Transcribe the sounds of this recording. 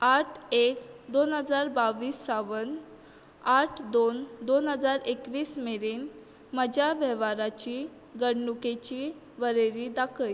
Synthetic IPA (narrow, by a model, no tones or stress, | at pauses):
aʈʰekd̪onɦəd͡zaɾbaʋiːsːaʋən | aʈʰd̪ond̪onɦəd͡zaɾekʋiːsmeɾen | məd͡ʑaʋɛʋaɾat͡ɕiː | ɡəɽɳuket͡ɕiː | ʋəɾeɾid̪akʰəj